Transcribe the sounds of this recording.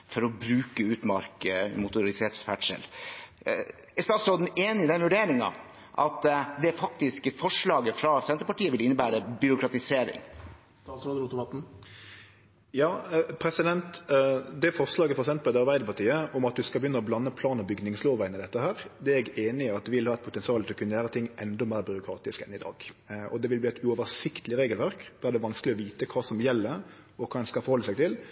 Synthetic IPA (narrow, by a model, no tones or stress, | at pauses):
fɔɾɔbɾʉːkəʉːt̪mɑ̰ɾkəmʊt̪ʊɾɪseːt̪sfæʈʂɛ̰l | ɛst̪ɑːt̪sɾoːd̪n̩eːnɪɪd̪ɛnʋʉɖeːɾɪŋɑ̰ | ʔɑ̰t̪d̪ɛæɾfɑkt̪ɪskfɔʂɭɑːɡəfɾɑsɛnt̪əpɑʈiːəʋɪlɪnːəbæːɾəbʏɾʊkɾɑt̪ɪseːɾɪ̰ŋ | st̪ɑːt̪sɾoːd̪ɾʊt̪mɑt̪n̩ | jɑːpʰɾɛsɪd̪ɛnt̪d̪ɛfɔʁslɑːɡəfɔɾɛksɛmpəld̪ɛɑɾbæɪd̪əpʰɑʁʈ̪ʰiːəɔmɑt̪̚d̪ʉskɑlbjʏnːəɔblɑnːəpʰlɑːnɔbʏɡnɪŋsloːʋæɪnɪd̪ɛt̪ːəɦæːɾd̪ɛɛɛɡeːnɪɪɑt̪d̪ɛʋɪlhɑːɛt̪̚pʰʊt̪ɛnsɪɑːlɪlɔkʉnːəjæːɾət̪ʰɪŋːʔɛnd̪ɔmæːɾbʏɾʊkʰɾɑːt̪ɪskɛnɪd̪ɑ̰ːɡʔɔ̰d̪ɛʋɪlbliːɛt̪ʉɔʋəsɪkt̪ʰəlɪɾeːɡəlʋæɾkd̪̥ːæɾd̪ɛʋɑnsklɪɔʋiːt̪əkʰɑːsɔmjɛlːəɾ | ɔkʰɑːd̪ɛnskɑlfɔɾhɔlːəsæɪɡt̪ʰɪl